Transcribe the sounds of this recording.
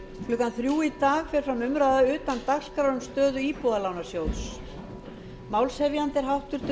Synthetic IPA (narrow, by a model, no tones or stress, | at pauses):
klʏkanθɾjuːit̪aːɣfɛɾ̥fɾamʏmɾaːðaʏːt̪ant̪akskɾaɾʏmst̪œːðʏiːpɔðalawnḁsjowðs | mawlshɛvjant̪ɛɾ̥ɦawht̪ʏɾ̥t̪